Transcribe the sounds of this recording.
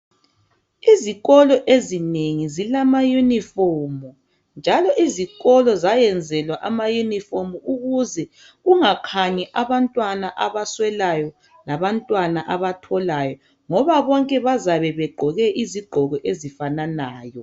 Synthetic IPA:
iziɣɔlɔʔezineŋizilamajunifɔːmɔ | nd͡ʒʱalɔʔiziɣɔlɔzajɛnd͡zʱɛlwaʔamajunifɔmuuɣuzɛ | ɣuŋakʰaɲɛʔaβantʼwanaʔaβaswɛlajɔ | laβantʼwanaʔaβatʰɔlajɔ | ŋɔβaβɔŋkʼɛβazaβɛβɛɡ͡ǃʱɔɣɛʔiziɡ͡ǃʱɔɣɔʔezifananaːjɔ

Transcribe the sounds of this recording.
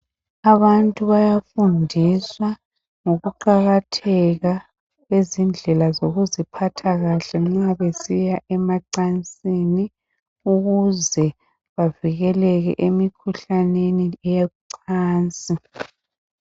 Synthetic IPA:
aβantʼuβajafundʱiswa | ŋoɣuǃaɣatʰɛɣa | ɣwezind͡ɮʱɛlazoɣuzipʰatʰaɣaɬɛŋ͡ǁaβesijaʔɛmaǀant͡sʼini | uɣuzɛ | βaviɣɛlɛɣɛ̰ʔemikʰuɬanenijeuǀʰaːnt͡sʼi

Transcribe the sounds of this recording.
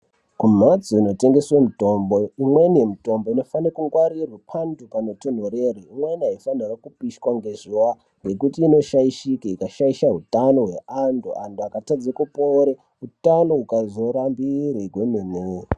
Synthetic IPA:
kum̤ad͡zoino̞te̞ŋɡe̞swemuto̞mbo̞imwenijemito̞mbo̞ino̞fanrakuŋɡwaɾirwepʰandukanoton̤oɾeriimweniaifanirakupiʃkwaŋɡe̞ʐuwa | ŋɡe̞kutiːno̞ʃaiʃikaikaʃaiʃaɦutano̞ɦwe̞ʔandṵʔanduakatad͡zekupoɾe | utanoukazo̞ɾambiɾiɡwemimwe

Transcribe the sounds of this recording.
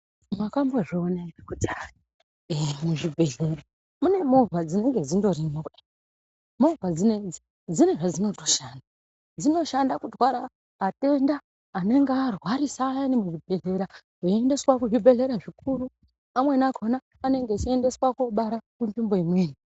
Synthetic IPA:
mwakambo̞ʐoonaiekud͡zai | emuʐibʱe̞ɮe̞ɾa | mune̞mo̞vad͡zine̞ŋɡe̞d͡zindo̞rinokuɗi̥ | mo̞vad͡zine | d͡zineʐad͡zino̞to̞ʃaːnda | d͡zino̞ʃandakudwaɾa | ɦate̞ndaː | ne̞ŋɡearwaɾisaːjane̞muʐibʱe̞ɮe̞ɾa | eende̞swakuʐibʱe̞ɮe̞ɾaʐikuɾu | amwe̞nakʰo̞naːne̞ŋɡet͡ʃiende̞swako̞ɓaɾakunbimbo̞imweːni

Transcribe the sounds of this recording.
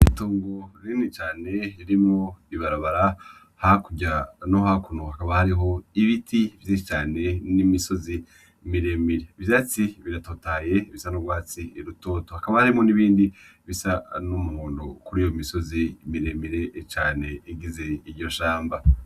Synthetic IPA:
itoːŋɡoɾinit͡ʃaːne̞iɾimŋo̞iβaɾaβaɾa | hakuɟanohakunohakaβahaɾiɦo̞iβitʰivjit͡ʃaːne̞nimiso̞zi | miɾe̞miɾe̞vjaːt͡siβiɾatotaːje̞βisanuɾɡwaːt͡siːɾuto̞ːtohakaβahaɾimo̞niβiːndi | βisanumuhuːndokuɾijomiso̞zimiɾemiɾe̞t͡ʃaːne̞iɡize̞iɾɟo̞ʃaːmba

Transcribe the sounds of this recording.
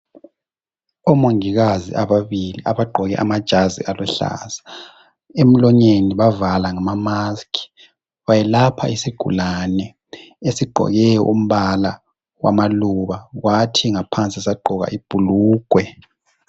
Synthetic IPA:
ɔmoŋiɣazḭaβaβiliʔaβaɡ͡ǃʱɔɣɛ̰ʔamad̥ʒ̥ʱazḭʔalɛɬa̰sḁ | em̩lɔɲeniβavalaŋamamaskʰi̥ | βajɛlapʰa̰isiɡ̥ʱṵlanɛ | esiɡ͡ǃʱɔ̰ɣɛjɔ̰ʔum̩βala | wʔa̰maluβaɣwʔatʰiŋapʰant͡sʼisaɡ͡ǃʱɔɣa̰ʔib̥ʱuluːɡ̥ʱwɛ

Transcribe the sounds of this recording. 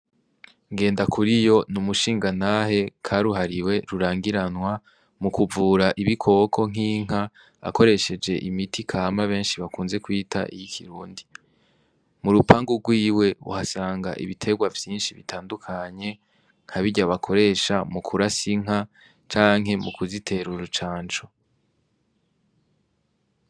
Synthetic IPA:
ŋɡe̞ːndakʰuɾijo̞numuʃiːŋɡanaːɦe̞kʰaɾuɦaɾiwe̞ɾuɾaːŋɡiɾanwa | mukuvuːɾaʔiβikʰo̞kʰo̞ŋ̥iːŋ̥a | a̰ko̞ɾe̞ʃe̞d͡ʒe̞ʔimitʰikʰamaβe̞ːnʃiβakuːnze̞kwiːtʰa̰ʔḭjikʰiɾuːndi | muɾupaːŋɡuɡwiːwe̞ṵhasaːŋɡa̰ʔḭβitʰe̞ɡwavjiːnʃiβḭtʰaːndukʰaɲe̞ | ŋ̥aβiɟaβakʰo̞ɾe̞ʃamukʰuɾasiŋ̥a | t͡ʃaːŋ̥ɦe̞mukuzitʰe̞ɾuɾut͡ʃaːnt͡ʃo̥

